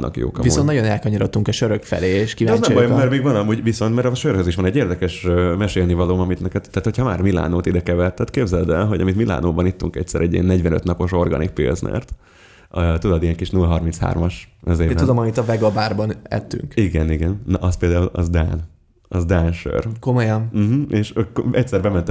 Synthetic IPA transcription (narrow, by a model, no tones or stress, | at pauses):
ʔɒ̰kjo̰ːkɒ̰mvionnɒɟonɛlkɒɲɒɾot̪ːuŋkɛʃøɾøkfɛ̰leːeʃkivɛznɛmbɒjomɛɾmeːɡvɒnɒmuːɟviso̞nt̪mɛɾɒʃøːrhøziʃʋɒnɛɟːeːrd̪ɛkɛʃmɛʃeːlnivɒloːmɒmit̪nɛkɛt̪ːaːt̪hocʰhɒma̰ːrmila̰ːnoːt̪id̪ɛkɛvɛlt̪ɛt̪keːbzɛld̪ɛnɦo̞ɟɒmit̪mila̰ːnoːbɒnit̪ːuŋkɛ̰c̚tsɛɾɛɟːḭɛnːɛɟʋɛnøt̪nɒpo̞ʃo̞rɡɒ̰nḭk̚pḭlznɛ̰rt̪ | øt̪ud̪ɒd̪ijɛŋkiʃnulɦɒrminsha̰ːrmɒʃʔøzeːɛud̪omɒmit̪ɒvɛɡɒbaːrbɒnɛ̰t̪ːy̰ŋkiɡɛniɡɛnːɒʔɒspeːld̪aːulɒ̰zd̪a̰ːn | ɒzd̪aːnʃø̰rkomojɒmm̩m̩ʔeːʃkɛc̚sɛɾbɛmɛnt̪